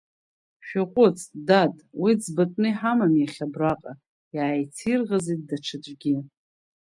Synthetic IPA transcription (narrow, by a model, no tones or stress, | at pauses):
ʃᶣaqʷʼʊt͡sʼdatʼwizbatʼnɨjħamamjaχʲabraqʼa | jaːjt͡sʰirʁazit̚daʈ͡ʂʰad͡ʒʷʼɡʲi